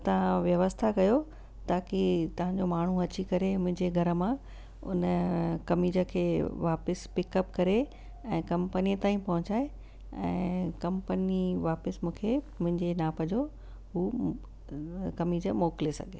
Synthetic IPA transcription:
t̪ɐʋ̤ãʋjɐʋəst̪ʰakɐjo | t̪aːkit̪ɐʋ̤ãɲd͡ʑomaːɳ̤uɐt͡ɕikɐɾemʊ̃ɦɪ̃ɲd͡ʑeɡʱɐɾə̆mã | ʊ̰nkɐmid͡ʑəkʰeːʋaːpəspɪkəpkɐɾe | ɛ̃ːkɐ̃mpənijət̪aːĩpɐɦʊ̃ɲt͡ɕaːe | ɛ̰̃ːkɐmpəniʋaːpəsmũːkʰe | mʊ̃ɦɪ̃ɲd͡ʑenaːpɐd͡ʑʱo | ɦuː | kɐmid͡ʑəmoːklesɐ̰ɡʱe

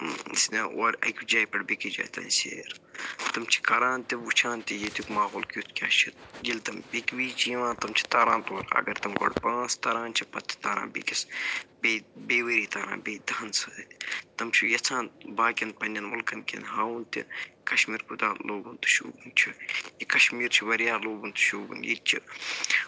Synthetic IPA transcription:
snɐoɾʲɐ̰kʲud͡ʒaːjpɐɽbikid͡ʒa̰ːjt̪ɐ̰ːnsḛːɾt̪ɐmt͡ʃʰi̥kɐɾãːnt̪iʋut͡ʃʰaːnt̪ijet̪ukmaːɣoːlkʲut̪ʰkʲa̰ːt͡ʃʰit̪̚ɡʲilt̪ɐmbikʲbiːt͡ʃiʋãːnt̪ɐmt͡ʃʰi̥t̪aːɾãːnt̪oːɾɐ̰ɡɐɾt̪ɐmɡo̰ɽpãːst̪ɐɾãːnt͡ʃʰipɐt̪ʰːi̥t̪aːɾã̰ːbḭkisbeːbeːʋeɾiːt̪ɐːɾa̰ːbeːd̪ɐɐnsɨd̪t̪t̪ɐmt͡ʃʰujɐt͡sʰãːnbaːkʲɐnpɐnʲɐnʋɐlkɐmkʲḛnɦaːunt̪ʲḭkɐʃmiːɾkud̪aːloːbunt̪u̥ʃṵːbunt͡ʃʰijikɐʃmiːɾt͡ʃʰiʋɐɾjaːloːbunt̪u̥ʃuːbṵnjḭt̪̚t͡ʃʰi

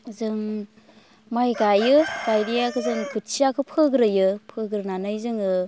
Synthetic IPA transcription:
zɯŋ | majɡajɯɡ̥ajdijakʰɯzɯŋkʰut̚sijakʰɯpʰɯɡɾɯjɯpʰɯɡɾɯnanɯjzɯŋɯ

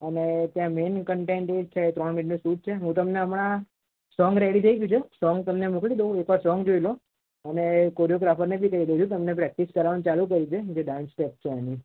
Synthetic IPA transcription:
ənet̪jãmenkəɳʈenʈed͡ʒt͡ʃʰeet̪ɾɔɳmiʈnũsuʈ̚t͡ʃʰeɦũt̪əmneəmɳ̃a | sɔŋɡɾeɽit̪ʰəiɡjũt͡ʃʰesɔŋɡt̪əmnemuklid̪eũekʋaɾsɔŋɡd͡ʒoilo | ənekoɾijoɡɾafəɾnebʱikəɾiɾəd͡ʒ̪ũt̪̬əmnepɾɛk̚ʈiskəɾaʋant͡ʃalũk̬əɾit͡ʃʰed͡ʒeɖãnsʈɛp̚t͡ʃʰeani

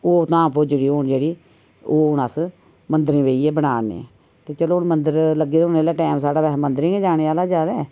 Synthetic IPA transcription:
oːt̪ãːpoːd͡ʒəɽiːɦoːnd͡ʒeːɽiː | oːʊnaːs | mənd̪ɾẽːʋeːieːbənaːnḛ̃ː | t̪eːt͡ʃəloːnmənd̪əɾləɡːeːd̪ʊneːlaːʈɛːmsaːɽaːʋɛːmənd̪əɾẽːɡeːd͡ʒaːɽ̃eːaːlaːd͡ʒaːd̪ɛː

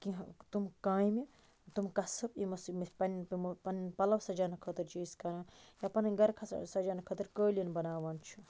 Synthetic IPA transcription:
kiɦt̪umkaːjmi | t̪umkɐsɐpimɐsmpɐnpɐnpɐlɐwsɐd͡ʒaːnɐkʰɐt̪ɨɾt͡ʃiːzkɐɾãːjapɐnɐɡɐɾkʰɐ̰sɐd͡ʒaːnɐkʰɐt̪ɨɾkəːlijɐnbɐnaːʋaːnt͡ʃʰu

